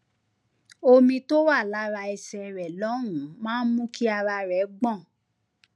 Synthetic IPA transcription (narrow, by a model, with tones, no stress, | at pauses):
o˧mĩ˧to˦wa˦˨la˨˦ɾa˧i˧sɛ˧ɾɛ˨lɔ˨˦ɾ̃ũ˨mãː˦n̩˦mũ˦kʰi˦a˧ɾa˧ɾɛ˨˦ɡ͡bɔ̃˦˨